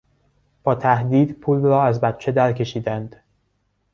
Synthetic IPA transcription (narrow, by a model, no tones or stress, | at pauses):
b̥ɒːt̪ʰæhd̪iːd̪pʰuːlɾɒːæzbæt̪̚t͡ʃʰe̞d̪æɾcʰe̞ʃiːd̪ænd̪̥